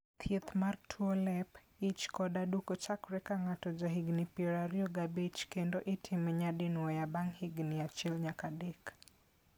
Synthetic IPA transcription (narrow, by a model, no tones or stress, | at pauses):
t̪ʰiɛt̪martʰuɔlɛp | it͡ʃkɔdaɗukɔt͡ʃakɾɛkaŋatɔd͡ʒaɦiɡnipiɔɾaɾiɔɡabit͡ʃkɛndɔʔitʰimɛɲadinuɔjabaŋhiɡnijat͡ʃilɲakadɛk